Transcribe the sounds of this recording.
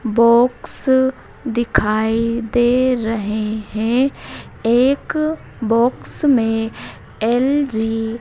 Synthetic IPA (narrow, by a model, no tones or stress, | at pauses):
bɔːks | d̪ɪkʰaːid̪eːɾəɦeɦɛ̃ | eːk | bɔːksmẽ | ɛld͡ʒiː